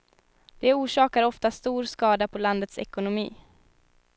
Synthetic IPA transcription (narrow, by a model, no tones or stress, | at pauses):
d̪̥ɛuːʂɑːkaɾɔft̪ast̪uːɾskɑːd̪apʰɔland̪ət̪sɛ̰kʊnʊmḭː